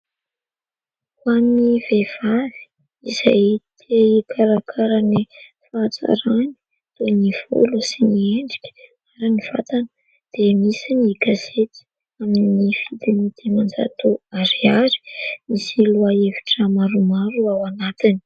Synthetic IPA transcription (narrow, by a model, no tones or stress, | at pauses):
wamnivev̥avi̥ | iza̰jt̪ʰeikʰaɾakʰaɾanifaːt͡sa̰ɾani̥ | t̪oniv̥o̰lusinieɳɖ͡ʐi̥kʲə̥ | aɾaniv̥a̰t̪anə̥ | d̪̥emisiniɡazet̪i̥ | aminnifid̪init̪ʰemand͡za̰t̪oaɾiaɾi̥misiluaeviʈ͡ʂəmaɾumaɾuawanat̪in